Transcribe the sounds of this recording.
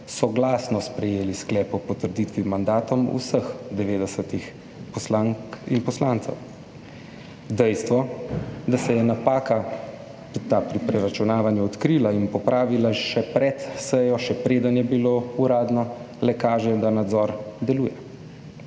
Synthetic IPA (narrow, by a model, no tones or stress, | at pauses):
sɔɡlaːsnɔspɾɛjeːlisklɛːpɔpɔt̪əɾd̪iːt̪ʋimand̪aːt̪ɔmṵsəxd̪ɛʋeːd̪ɛsət̪ix | pɔslaŋinpɔslaːnt̪sɛw | d̪ɛjst̪ʋɔd̪asɛjɛnapaːka | t̪aːpɾipɾɛɾat͡ʃunaːʋanjuɔt̪kɾiːlainpɔpɾʔaːʋilaʃɛpɾɛt̪sɛjɔʃɛpɾeːd̪anjɛbiloːuɾaːd̪nɔ | lɛkaːʒɛd̪anad̪zɔɾd̪ɛluːjɛ